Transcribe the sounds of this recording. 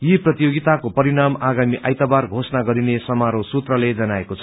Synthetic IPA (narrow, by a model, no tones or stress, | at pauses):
jiprʌt̪ijoɡit̪akopʌɾinamaɡamiʔajt̪abarɡʱosnaɡʌɾinesʌmaɾosut̪rʌled͡zʌnaekot͡sʰʌ̥